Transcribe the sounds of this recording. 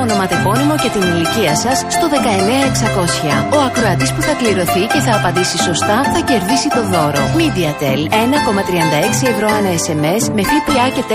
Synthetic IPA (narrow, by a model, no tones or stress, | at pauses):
ono̞mɐt̪e̞fo̞nimo̞cet̪iniliciɐsɐsːt̪o̞ðe̞kɐe̞neɐeksɐko̞sçɐo̞ɐkɾo̞ɐt̪ispuθɐkliɾo̞θice̞θɐːpɐnd̪isiso̞st̪ɐθɐce̞ɾðisit̪o̞ðo̞ɾo̞̰mid̪iɐt̪elenɐko̞mɐt̪ɾiɐnd̪ɐe̞ksie̞vɾo̞ɐnɐese̞me̞sme̞θipiɐce̞t̪e